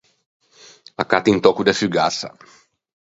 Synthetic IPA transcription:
lakat̪int̪ɔkud̪ɛfyɡasa̰

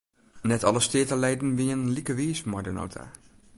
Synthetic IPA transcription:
nɛtɑlˠəstɪətəlejdn̩ʋiənənlikəʋiːsmɔdəno̰wtʰa̰

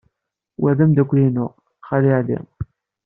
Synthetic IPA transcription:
wæðæmd̪ækʷːlinʊʁ | χæliʕlḭ

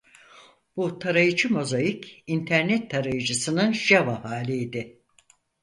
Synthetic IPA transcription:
b̥ut̪ʰaɾajɯt͡ʃʰɯmo̞zajicint̪ʰæɾnɛt̪ʰːaɾajɯd͡ʒɯsɯnɯnʒavahaːlʲiid̪ɪ

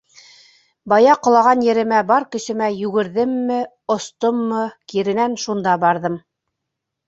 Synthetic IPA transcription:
bɑjɑqŏlˠɑʁɑnjɘ̆ɾɘ̆mæbɑɾkɘ̆ʃɘ̆mæjʉɡɘ̆ɾðɘmːɘ | ŏst̪omːɤkiɾɘ̆nænʃund̪ɑbɑɾðɤm

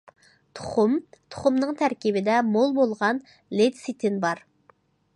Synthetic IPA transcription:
t̪ʰo̥χʊmt̪ʰo̥χʊmnɨŋt̪ʰæɾkʲibɪd̪ɛmolˠbolˠʁɑn | let̪sit̪ʰɪnbɑɾ

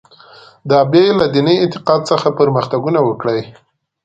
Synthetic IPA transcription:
d̪ɑbelad̪inəjɪnt̪ɪ̥qɑd̪̚səxapəɾməxt̪aɡunawəkɽəj

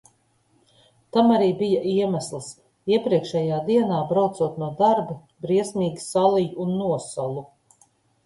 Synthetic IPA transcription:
t̪amaɾiːbijaʔiɛmæslˠs | iɛpɾiɛkʃɛjaːd̪iɛnaːbɾawt̪suɔt̪nuɔd̪aɾbi | bɾiɛsmʲiːɡʲisalˠijuunːuɔsalˠu

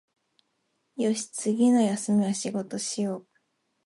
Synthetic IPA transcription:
jo̞ɕi̥t͡sɨɡʲino̞jasɨmʲiβaɕiɡo̞t̪o̞ɕijoː

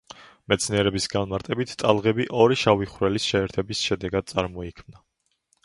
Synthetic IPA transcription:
mɛt̪sʰniɛɾɛbisɡanmaɾt̪ʼɛbit̪ʰt̪ʼalˠʁɛbiʔɔɾiʃaviχɾɛlisʃɛːɾt̪ʰɛbisʃɛd̪ɛɡad̪̚sʼaɾmɔikʰmna

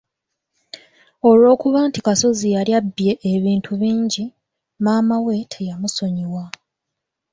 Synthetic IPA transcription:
o̞lwo̞ːkuβaːntikaso̞zijaljabːje̞ʔeβiːntʰuβiːɲɟi | maːmawe̞tʰejamuso̞ɲiwa

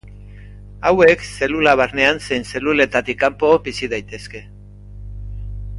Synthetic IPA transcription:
awe̞kse̞lulaβ̞aɾne̞anse̞jnse̞lule̞t̪at̪ikːampo̞bisiðajt̪e̞ske̞

